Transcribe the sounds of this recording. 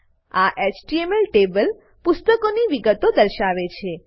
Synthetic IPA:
aʔet͡ʃʈiemelʈebəl | pʊst̪əkoniʋiɡət̪od̪əɾʃaʋet͡ʃʰe

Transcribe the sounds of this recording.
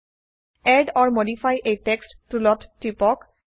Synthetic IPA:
ɛɖɔɹmodifʰajʔejtekstːulɔtːipɔk

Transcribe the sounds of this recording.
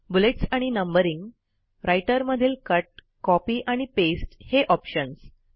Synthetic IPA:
buleʈsaɽ̃inəmbəɾiŋɡ | ɾajʈəɾməd̪ʱiːlkəʈ̚ | kɔpiːʔaɽ̃ipesʈheʔɔpɕəns

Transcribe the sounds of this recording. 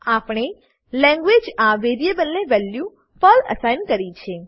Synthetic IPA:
apɳ̃e | lɛ̃ŋɡʋed͡ʒaʋeɾijebəlneʋɛljũ | pələ̰sajnkəɾit͡ʃʰe

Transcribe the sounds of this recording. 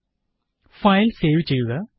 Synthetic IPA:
fɐjlseːʋit͡ɕːejuɣɐ

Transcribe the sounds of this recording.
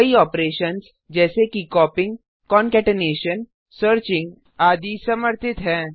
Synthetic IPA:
kiɔːpɾeːʃəns | d͡ʒɛːsekikɔːpɪ̃ŋɡ | kɔːnkɛːʈɪneːʃən | səɾt͡ʃɪ̃ŋɡ | aːd̪isɐməɾt̪ɪt̪ɦɛ̃ː

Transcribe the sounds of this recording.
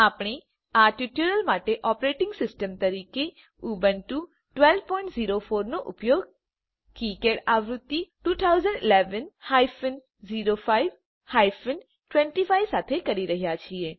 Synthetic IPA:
aːpɽ̃i | aːɾʈiʈjuɾəlmaːʈeʔɔːpɾeːʈɪ̃ŋɡsɪsʈəmt̪əɾiːke | uːbənʈu | ʈʋɛlʋpɔɪ̃ɳʈziːɾofʰoːɾnoʔʊpjoːɡ̚ | kiːkeɽaːʋɾʊt̪ːiʈuːt̪ʰaʊzəɳɖɪleːʋənhaːjfən | ziːɾofʰaːiʋ | haːjfʰən | ʈʋɛ̃ɳʈifʰaːjʋsaːt̪ʰekəɾiɾəɦijat͡ʃʰieː

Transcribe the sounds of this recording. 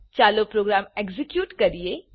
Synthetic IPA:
t͡ʃaːlopɾoːɡɾaːmeɡzɪkjuːʈkɐɾie

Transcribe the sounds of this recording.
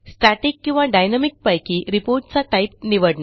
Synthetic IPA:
sʈaʈikːĩw̃ʋaɖajnamik̚pajkiːɾipoɾʈ̚t͡saʈaip̚niʋəɽna

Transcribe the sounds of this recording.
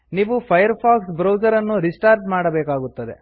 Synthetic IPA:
niːʋupʰɐjɐɾpʰaːksbɾɐwd͡ʒɐɾɐnːuɾisʈaːɾɖmaːɽɐbɛːkaːɡut̪ːɐd̪e̞̰

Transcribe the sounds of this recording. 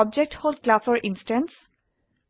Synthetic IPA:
ɔb̚d͡ʒek̚ʈholdklasɔɹʔinsʈɛns

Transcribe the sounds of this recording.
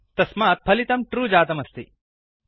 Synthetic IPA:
t̪ɐsmaːt̪̚pʰɐlit̪ɐmʈɾuːd͡ʒaːt̪ɐmɐst̪i

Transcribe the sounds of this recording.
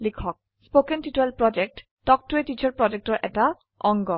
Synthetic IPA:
likʰɔk̚ | spokɛntituɛlpɹɔd͡ʒɛk̚t | d̥ɔk̚tuetit͡ʃʰɔɹpɹɔd͡ʒɛk̚tɔɹʔɛta | ɔŋɡɔ

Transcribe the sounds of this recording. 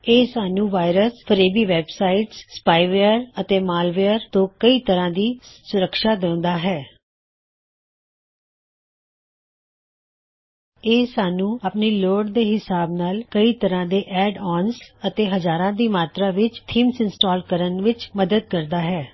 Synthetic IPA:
eːsaːnũːʋaːɪɾəspʰəɾeːbiːʋɛːbsaːɪʈsːpaːiʋeːəɾət̪eːmaːlʋeːəɾt̪õːkəiːt̪əɾãːd̪iːsʊɾəkʃaːd̪eʊ̃nd̪aːɦɛː | eːsaːnũːəpniːloːɖd̪eːɦɪsaːbnaːlkəiːt̪əɾãːd̪eːʔɛːɖɔːnsət̪eːɦəzaːɾãːd̪iːmaːt̪ɾaːʋɪt͡ʃt̪ʰiːmsɪnsʈaːlkəɾənʋɪt͡ʃməd̪əd̪̚kəɾd̪aːɦɛː

